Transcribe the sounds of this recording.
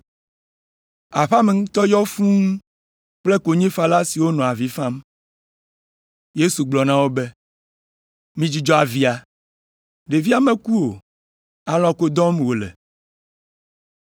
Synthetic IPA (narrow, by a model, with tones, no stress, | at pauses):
a˨ɸa˦me˨ŋũ˦t̪ɔ˦jɔ˦fũ˦ŋ˦ | k͡ple˦ko˨ɲẽ˦fa˦la˦si˨wo˦nɔ̃˨a˨vi˦fã˦m | je˦su˨ɡ͡blɔ˨nã˦wo˦be˦ | mĩ˦d͡ʑi˦d͡ʒɔ˦a˨vi˦a˨ | ɖe˨vi˦a˨mẽ˦ku˦o˨ | a˨lɔ̃˦ko˦d̪ɔ̃˦m˨wo˨lɛ̰˨